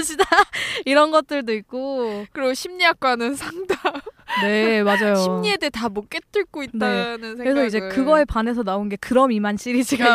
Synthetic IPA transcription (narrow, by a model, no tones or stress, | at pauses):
ɕʰidaiɾʌnɡʌt̚t͈ɯɭdoik͈̚okkɯɾiɡoɕʰimɲiak̚k͈wanɯnsʰaŋdane̞mad͡ʑajɕoimɲiedetamok͈et͈ɯɭk͈oitn͈aenɯnʰeɯɾesʰʌid͡ʑe̞kɯɡʌepane̞sʰʌnaonɡe̞kɯɾʌmimanɕ͈iɾid͡ʑiɡa